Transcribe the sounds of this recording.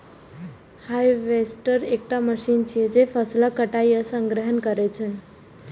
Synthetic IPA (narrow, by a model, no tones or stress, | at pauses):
hajʋesʈəɾek̚ʈaməʃint͡ʃʰijɛd͡ʒepʰəslakəʈajəsə̃ŋɡɾəɦənkəɾet͡ʃʰɛ̃